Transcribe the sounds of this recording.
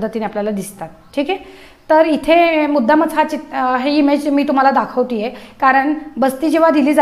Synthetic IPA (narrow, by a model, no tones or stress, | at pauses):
d̪ʱːət̪ineapljalad̪ist̪at̪ʈʰiːke | t̪əɾit̪ʰemud̪ːamət͡sɦat͡ɕit̪ɦeimed͡ʑmiːt̪um̤alad̪akʰəʋt̪ijekaɾəɳbəst̪iːd͡ʑeʋad̪ʱiliːd͡za